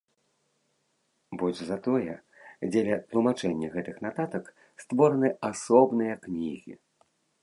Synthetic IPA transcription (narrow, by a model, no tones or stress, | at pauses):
bɔlʲʐzat̪ɔjɛ | d͡zʲɛlʲɐt̪lˠumat͡ʂɛnʲːɐɣɛt̪ɨxnat̪at̪ɐk | st̪vɔɾɐnɨasɔbnɨjɐknʲiɣʲḭ